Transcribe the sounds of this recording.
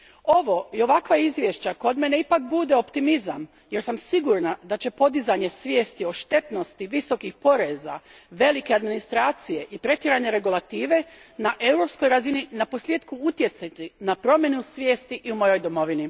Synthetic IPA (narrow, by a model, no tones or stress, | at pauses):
o̞ʋo̞io̞ʋakʋaizʋje̞ʃt͡ɕako̞d̪me̞ne̞ipak̚bud̪e̞o̞pt̪imizam | je̞ɾsamsiɡuɾnad̪at͡ɕe̞po̞d̪izaɲe̞sʋje̞ːst̪io̞ʃt̪e̞t̪no̞st̪iʋiso̞kixpo̞ɾe̞za̰ | ʋe̞like̞ad̪minist̪ɾaːt̪sije̞ʔipɾe̞t̪jeɾaɲe̞ɾe̞ɡulˠat̪iːʋe̞naʔe̞wɾo̞psko̞jɾazininapo̞slʲjeːd̪kuut̪je̞t̪sat̪inapɾo̞mje̞nusʋʲje̞ːst̪iʔiumo̞jo̞jd̪o̞mo̞ʋini